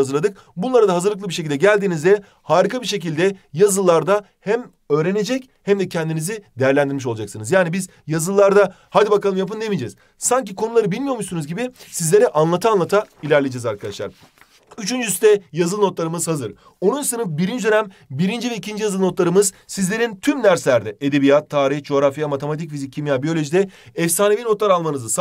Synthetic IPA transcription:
azɯɾlad̪ɯk̚ | bunlˠaɾad̪aɦazɯɾlˠklˠɯbiɾʃec̬ʰilʲd̪ɛɟælʲd̪iːnizd̪ɛ | haːɾikʰabiɾʃ̬ec̬ilʲd̪ɛjazɯlˠːaɾd̪a | hæm | ø̞ːɾene̞d͡ʒɛc | hæmd̪ɛcʰɛnd̪inizid̪ejæɾlʲænd̪iɾmiʃo̞lˠad͡ʒaksɯnɯzjaːnibiz | jazɯlˠːaɾd̪a | had̪ʲibakalˠɯmjap̬ɯnd̪emid͡ʒɛ̰ːz̥ | saɲcikʰo̞nulˠaɾɯbilʲmijo̞ɾmuʃsunuzɟibɪsizlʲe̞ɾɛʔanlˠat̪aːnlˠat̪ʰailʲæɾlʲed͡ʒɛːzaɾkʰad̪aʃlˠa̰ɾ | yt͡ʃʰynd͡ʒyst̪ɛjazɯlˠno̞t̪lˠaɾɯmɯzhazɯɾ | o̞nunsɯnɯpbiɾind͡ʒd̪ø̞næmbiɾind͡ʒivɛicʰind͡ʒijazɯlˠno̞t̪lˠaɾɯmɯz̥sizlʲe̞ɾint̪ʰymd̪æɾslʲæɾd̪ɛed̪e̞bijat̪ʰːaːɾiçd͡ʒo̞ɾafjamat̪ʰe̞mat̪icfizic̚ʲʰːimjabijo̞lʲo̞ʒid̪ɛɛfsaːnevino̞t̪lˠaɾalˠmanɯzɯs

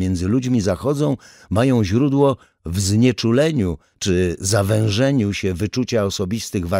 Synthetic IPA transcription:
jɛnd̪zɘlud͡ʑmʲizaxɔd̪zɔ̃w̃ | majɔ̃w̃ʑɾud̪wɔ | vzɲɛt͡ʂulɛɲu | t͡ʂɘzavɛ̃w̃ʐɛɲuɕɛvɘt͡ʂut͡ɕaɔsɔbʲist̪ɘɣva

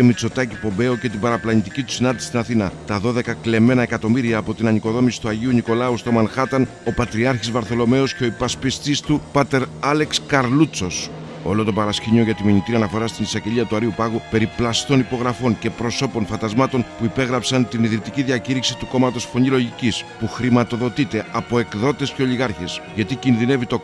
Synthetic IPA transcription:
emit͡so̞t̪ɐcipo̞mbe̞oce̞t̪̬ibɐɾɐplɐnit̪icit̪u̥sinɐnd̪isi̥st̪inɐθinɐt̪ɐðo̞ðe̞kɐkle̞me̞nɐe̞kɐt̪o̞miɾiɐːpo̞t̪inɐɲiko̞ðo̞misi̥t̪uɐʝiuniko̞lɐust̪o̞mɐnxɐt̪ɐno̞pɐt̪ɾiɐɾçizvɐɾθo̞lo̞me̞osceo̞ipɐspist̪ist̪upɐt̪e̞ɾɐle̞kskɐɾlut͡so̞s | o̞̰lo̞t̪o̞pɐɾɐsciɲoʝɐt̪imiɲit̪iɐnɐfo̞ɾɐst̪inisɐɟe̞ʎiɐt̪uɐɾiupɐɣupe̞ɾiplɐst̪o̞nipo̞ɣɾɐfo̞ɲce̞pɾo̞so̞po̞nfɐnd̪ɐzmɐt̪o̞npuipe̞ɣɾɐpsɐnt̪iniðɾit̪iciðiɐciɾiksi̥t̪uko̞mɐt̪o̞sfo̞ɲilo̞ʝicispuxɾimɐt̪o̞ðo̞t̪it̪e̞ʔɐpo̞e̞kðo̞t̪e̞sce̞o̞ʎiɣɐɾçesʝɐt̪icinðine̞vit̪o̞

